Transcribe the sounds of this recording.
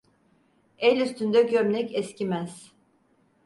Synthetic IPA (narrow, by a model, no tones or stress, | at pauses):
ɛlʲyst̪ynd̪ɛɟømlʲɛcɛscimæz̥